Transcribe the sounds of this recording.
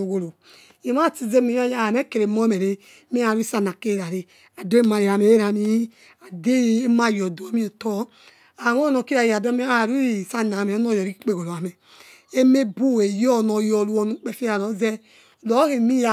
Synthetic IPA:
o˨ɡo˨lo˨ | ji˨m˦a˦˨ti˨ze˦me˨ja˦ja˦˨a˨me˦ke˨ɾe˨mo˦me˨ɾe˨˦ | me˦a˨ɾi˦sa˦na˨ke˦ɾa˨ɾe˨ | a˨do˦e˦ma˨ɾe˨a˨me˨e˦ɾa˨mi˦ | a˨de˦˨˦ma˦˨jɔ˨du˨a˨˦mi˦o˨tɔ˦ | a˨wɔ˦nɔ˨ki˦ɾa˨ji˨a˨dme˦a˦˨ɾu˦˨sa˦na˨me˨ɔ˦nɔ˦˨jɔ˨i˦k͡pe˦˨ɡo˨lo˨a˨me˨ | e˦me˦bu˦˨e˨jɔ˦˨nɔ˨jɔ˨lu˦ɔ˨nu˨˦k͡pe˨fi˦a˨lɔ˨˦zɛ˦˨ | lɔ˦ɣe˨mi˦ja˨

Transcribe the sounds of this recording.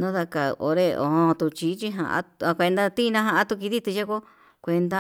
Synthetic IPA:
nã˦ða˧ka˨˧o̰˧ɾe˧o̰˨˧hõ˧t̪u˧t͡ʃi˧˦t͡ʃi˦ɦã̰˧˨ʔã̰˦a˧kʷe˧nd̪a˧t̪i˦˧nã˦ɦã˧ʔã˦t̪u˧ki˧ði˦t̪u˧ʃe˦ko˦ | kʷe˧nd̪a˦

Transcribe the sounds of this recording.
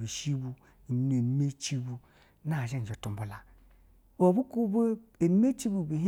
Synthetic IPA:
bi˨ʃi˦bu˦˨˦ | ne˨n˦me˦t͡ʃi˦bu˦ | na˦˨d͡ʒe˦n˨d͡ʒo˨tu˨m˨bu˨la˨ | o˨bu˦ku˦bo˦e˨n˦me˦t͡ʃi˦bu˨bi˨ɦ

